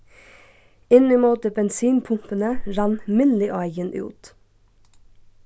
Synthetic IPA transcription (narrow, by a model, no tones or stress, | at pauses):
ɪnɪmoːt̪əbɛnsiːnpʰʊmpənəɾɑnmɪnlɪʔɑɪɡənʔʉ̰ːt̪